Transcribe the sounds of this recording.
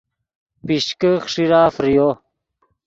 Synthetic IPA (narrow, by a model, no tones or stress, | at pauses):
piɕkəxʂiɾaːfɾijo